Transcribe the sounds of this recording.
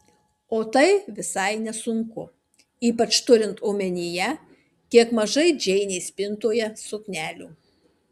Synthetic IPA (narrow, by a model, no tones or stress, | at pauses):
oːt̪ɐɪʋʲɪsɐɪnʲɛsʊŋkʊ | iːpɐt͡ʃt̪ʊɾʲɪnt̪oːmʲɛnʲijɛ | kʲiɛkmɐʒɐɪd͡ʒʲɛɪnʲɛɪsʲpʲɪnt̪uːjɛsʊknʲæːlʲṵː